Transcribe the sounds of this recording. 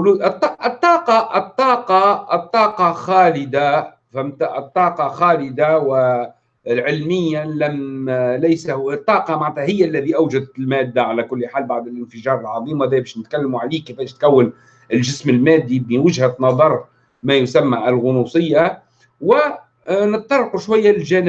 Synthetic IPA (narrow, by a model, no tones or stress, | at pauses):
lt̪ːˤɑʔət̪ˤːɑːqɑət̪ˤːɑːqɑət̪ˤːɑːqɑxæːlɪd̪a | famt̪aʔət̪ˤːɑːqɑxɑːlɪd̪awɪ | lʕɪlmɪjːalæmlæjsahʊt̪ˤːɑːqɑmaʕnt̪hæɦɪjːaʔlːæðiʔawʒad̪t̪lmæːd̪ːaʕalækʊlːħaːlbaʕd̪ɪlʔɪnfəʒɑːɾˤɑlʕɑðˤiːmæðɛːbæːʃnɪt̪kalːmuʕaliːkɪfæːʃt̪kæwːən | ɪlʒɪsmɪlmæːd̪ːibiwɪʒhænɑðˤɑɾˤ | mæːjʊsamːaʔɪlɣʊnusˤɨjːa | wɪ | nɨt̪t̪ːɑrˤːɑquʃwajːalʒæːnɪb